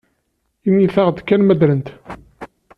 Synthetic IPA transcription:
inːiθæʁd̪kːænmæd̪ɾənt̪

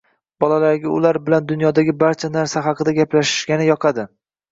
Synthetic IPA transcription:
b̥ɒlalaɾɡʲaʊlaɾbɪland̪ʊnjɒd̪aɡʲɪbaɾt͡ʃʰanaɾsaɦɑqʰɨd̪aɡʲaplaʃɪ̥ʃɡʲanɪjɒqʰɑd̪ɪ

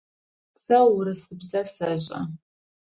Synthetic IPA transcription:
sɐwɾɨsɨbzɐsɐʑʼɐ̰

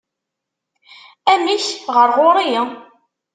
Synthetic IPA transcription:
æmiçʁəɾʁoɾˤijə

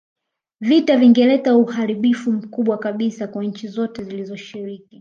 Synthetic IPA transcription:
vitaviŋɡɛlɛtauhaɾiɓifum̩kuɓwakaɓisakwaɲ̩t͡ʃizɔtɛzilizɔʃiɾiki

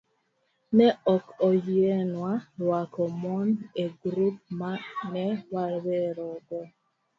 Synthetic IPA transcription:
nɛɔkɔjiɛnwawakɔmɔnɛɡɾup̚manɛwalwɛɾɔɡɔ

